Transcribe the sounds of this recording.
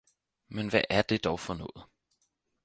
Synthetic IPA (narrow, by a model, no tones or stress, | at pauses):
menʋæʔæɐd̥e̝d̥ɒʊfɒnɔ̰̽ːð̩ˠ